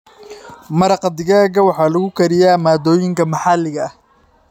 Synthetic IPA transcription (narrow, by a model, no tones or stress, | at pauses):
mɐɾɑqd̪ɪɣaːɣɐwɑħɑːlɐɣʊkʰɐɾɪjaːmaːd̪ɔːjɪŋkʰɐmɑħɑlɪɣɐɐh